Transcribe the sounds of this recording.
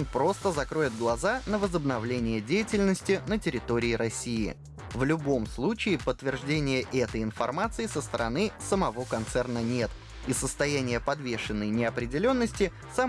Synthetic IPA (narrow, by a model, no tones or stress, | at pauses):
npɾo̞st̪əzɐkɾo̞jɪd̪̚ɡlˠɐzanəvəzəbnɐvlʲenʲɪjədʲejɪtʲɪlʲnəsʲtʲɪnətʲɪɾʲɪt̪o̞ɾʲɪɪɾɐsʲːijɪ̰ | vlʲʊbo̞mslˠut͡ɕɪɪpət̪ːvʲɪrʐdʲenʲɪjəʔɛt̪əjɪnfɐrmat̪sɨɪsəst̪əɾɐnɨsəmɐvo̞kɐnt̪sɛrnənʲe̞t̪ | isəst̪ɐjænʲɪjəpɐd̪vʲeʂɨnːəjnʲɪɐpɾʲɪdʲɪlʲo̞nːəsʲtʲɪ | sa